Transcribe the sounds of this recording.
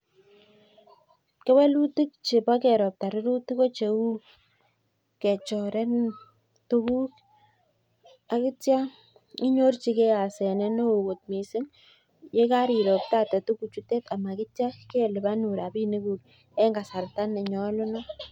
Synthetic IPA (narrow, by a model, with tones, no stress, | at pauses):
kɛ˦wɛ˦lu˦tɪ˦k̚t͡ʃɪ˨pa˦kɛ˨ɾɔ˨p̚ta˨ɾʊ˦ɾu˦ti˦ko˦t͡ʃe˨u˦ | kɛ˨t͡ʃɔ˨ɾɛ˦n | toku˦k | a˨kɪ˦tja˦ | ɪ˦ɲo˦rt͡ʃi˦kɛ˦a˨sɛ˨nɛ˦no˦o˨ko˨t̚mi˨sɪ˦ŋ | je˦ka˦ɾi˨ɾo˨p̚ta˦tɛ˨tu˦ku˨t͡ʃu˦te˦ta˨ma˨kɪ˦tja˦ke˦lɪ˨ba˦nu˨ɾa˨bi˦ni˦ku˨l | ɛ˦ŋɡa˨sa˨rta˦nɪ˨ɲɔ˦lʊ˦nɔ˦